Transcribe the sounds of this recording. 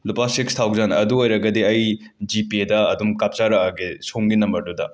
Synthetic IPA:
lupasikst̪ʰawɡzanɐ̰duojɾɐɡɐdiɐj | d͡ʒipedɐɐdumkap̚t͡ʃaɾɐːɡisoŋɡinɐmbɐɾdudɐ̰

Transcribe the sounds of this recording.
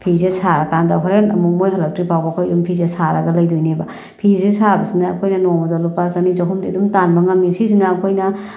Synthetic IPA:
pʰizesaɾɐkandaɦʰɔɾenɐmuk̚mojɦɐlɐp̚tɾipawbɐkʰojdumpʰizesaɾɐɡɐlɐjdojneba | pʰizesabɐsinaːkʰojnɐnoŋmɔzalupasɐnizɐɦʰumdidumtanbɐŋɐmisis̬inaːkʰojnɐ

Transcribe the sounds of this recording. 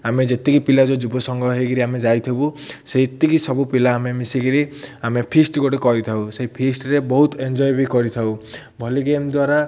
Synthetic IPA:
amed͡ʒet̪ikipilad͡ʒɔd͡ʒubɔsɔŋɡɔɦeɡiɾiamed͡ʒajt̪ʰibuseit̪ikisɔbupilaːmemisiɡiɾiamepʰisʈɡoʈekɔɾit̪ʰawseipʰisʈɾebɔɦut̪end͡ʒɔjbikɔɾit̪ʰaw | bʱɔliɡemd̪waɾa

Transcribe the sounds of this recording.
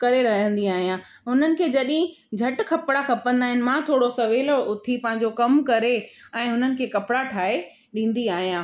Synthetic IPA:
kɐɾeɾɐɦə̃nd̪iaːɦijãː | ɦʊn̤ənɪ̆kʰeːd͡ʑɐɗɪɦɪ̃ | d͡ʑʱɐʈkʰɐpɽaxɐpə̃nd̪aːɦɪnɪ̆mãːt̪ʰoːɽosɐʋeːlʊt̪ʰipɐ̃ɦɪ̃ɲd͡ʑokɐmkɐɾeɛ̃ːɦʊnənɪ̆kʰeːkɐpɪɽaʈʰaːe | ɗĩːn̆d̪iaːɦijãː

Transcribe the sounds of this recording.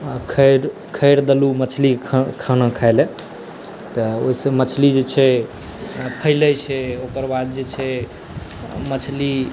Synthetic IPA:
kʰəɾ | kʰəjɾd̪əlumət͡ʃʰlikʰkʰanakʰajlɛ | t̪əo̰isəmət͡ʃʰlid͡ʒet͡ʃʰɛ | pʰəɪlɛt͡ʃʰɛokəɾbad̪̚d͡ʒet͡ʃʰɛ | mət͡ʃʰli

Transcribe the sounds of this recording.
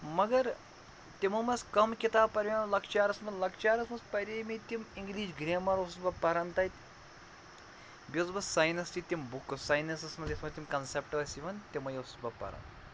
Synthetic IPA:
mɐɡɐɾ | t̪imɐmɐskɐmkʲit̪aːpɐɾʲʋʲelɐkt͡ʃaːɾɐsmɐlɐkt͡ʃaːɾɐsmɐspɐɾʲeːmit̪imiŋɡliːʃɡɾeːmɐɾʋɐsusbɐpːɐɾɐnt̪ɐjt̪ | bʲizbɐsaːjnɐst̪it̪ʲimbuksajnɐsɐsmɐd̪ʲismɐt̪ʲimkɐnsepʈɐlɐsiʋɐnt̪ʲimɐjɐsu̥sbɐpːɐ̰ɾɐ̰nt̪

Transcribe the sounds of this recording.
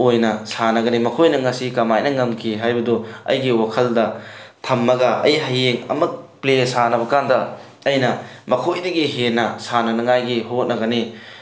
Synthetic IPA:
ojnɐsanɐɡɐnimɐkʰojnɐŋɐsikɐmajnɐŋɐmkʰiɦajbɐduɐ̰jɡiwakʰɐldɐtʰɐmːɐɡɐʔɐ̰jɦɐjeŋɐ̰mɐk̚plesanɐβɐkandɐ | ɐjnɐmɐkʰojdɐɡiɦenɐsanɐnɐŋajɡiɦot̚nɐɡɐni

